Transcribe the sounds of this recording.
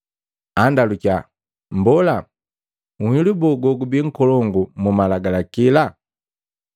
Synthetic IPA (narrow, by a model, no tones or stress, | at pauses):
andaluca | mbɔla | uhilubɔɡɔɡubiŋ̩kɔlɔŋɡumumalaɡalakila